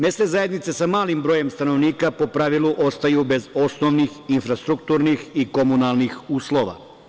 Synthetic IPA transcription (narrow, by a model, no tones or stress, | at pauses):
me̞st̪ezaje̞d̪nit̪se̞samaːlimbɾo̞ːje̞mst̪ano̞ʋniːkapo̞pɾaʋilˠuʔo̞st̪ajube̞zo̞sno̞ʋnixinfɾast̪ɾukt̪uɾnixiko̞munalˠnixuːslˠo̞ʋa̰